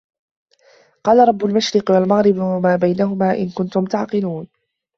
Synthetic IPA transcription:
qɑːlaɾˤɑbːʊlmaʃɾɪqwalmaɣɾɪbwamaːbajnaɦʊmaːʔɪ̰nkʊnt̪ʊmt̪aʕqɪluːn

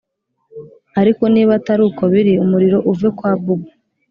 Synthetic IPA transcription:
aɾiko̞niːβataɾukoβiɾiumuɾiɾo̞ʔuvekwaːbubu

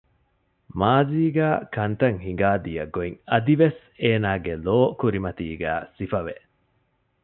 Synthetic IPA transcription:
maːziːɡæːkɐnt̪ɐŋhiŋɡaːd̪ijɐɡoiŋɐd̪iʋes | eːnaːɡeloːkuɾimɐt̪iːɡæ̰ːsifɐʋe

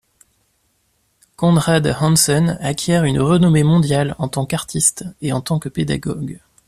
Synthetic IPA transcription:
kɔ̃d̪ʁad̪hɑ̃nsɔnakʲjɛʁynʁənɔmemɔ̃d̪jalɑ̰̃t̪ɑ̃kaʁt̪ʰist̪eɑ̃t̪ɑ̃kəped̪a̰ɡɔɡ

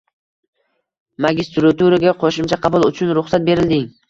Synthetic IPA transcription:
maɡʲɪst̪ɾat̪uɾaɡʲaqʰoʃɪmt͡ʃʰaqʰɑbʊlˠʊt͡ʃʰʊnɾʊχsat̪̚be̞ɾɪld̪ɪŋ

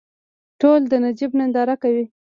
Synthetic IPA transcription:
ʈold̪ənad͡ʒibnand̪ɑɾakawi

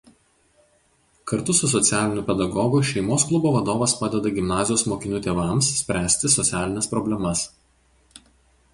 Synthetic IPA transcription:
kɐɾt̪ʊsʊs̬ɔt̪sʲæːlʲɪnʲuːpʲɛd̪ɐɡɔɡʊʃʲɛɪmoːsklˠʊboːʋɐd̪oːʋɐspɑːd̪ʲɛd̪ɐɡʲɪmnɑːzʲɪjoːsmoːkʲɪnʲʊt̪ʲeːʋɑˑmssʲpʲɾʲæːsʲt̪ʲɪsɔt̪sʲæːlʲɪnʲɛspɾɔbʲlʲɛmɐs

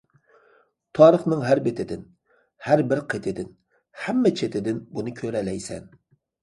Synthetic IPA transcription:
t̪ʰɑːɾəχnɨŋɦæɾbɪt̪ʰɪd̪ɪn | hæɾbɪɾqʰet̪ʰɪd̪ɪn | hæmːɛt͡ʃʰet̪ʰɪd̪ɪnbunɨkʲʰøɾɛlɛjsɛ̰n

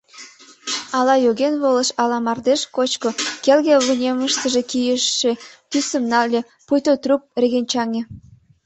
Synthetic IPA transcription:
ɑlɑjoɣenβolə̆ʃɑlɑmɑrd̪eʃkot͡ɕkokelɣeβənʲeməʃt̪əʒekijəʃːek̪ysə̆mnɑlʲe | pujt̪ot̪rup̚rʲeɣent͡ɕɑŋe

